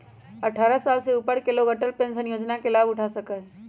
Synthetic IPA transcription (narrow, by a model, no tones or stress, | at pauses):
ɐʈʰaːɾasaːlseupəɾkeloɡəʈəlpẽnsə̃njoːd͡ʒnakelaːbʊʈʰasəkəɦ